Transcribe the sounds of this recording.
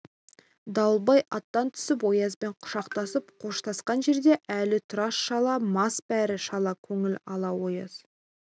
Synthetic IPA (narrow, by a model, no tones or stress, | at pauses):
d̪ɑwlˠbɑjɑt̪ːɑnt̪ʰʏ̥sɪp̬wo̞jɑzbe̞ɴqʰʊ̥ʃɑqt̪ɑsəpqʰo̞ʃt̪ʰɑsqɑnʒe̞ɾd̪e̞ʔælɪt̪ʰʊɾɑsʃɑlˠɑmɑsbæɾɪʃɑlˠɑkʲʰɵŋɪlɑlˠɑwo̞jɑ̰z̥